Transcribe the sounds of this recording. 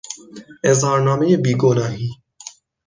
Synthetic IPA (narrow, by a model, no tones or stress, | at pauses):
ezhɑːɾnɑːmejebiːɡonɑːɦiː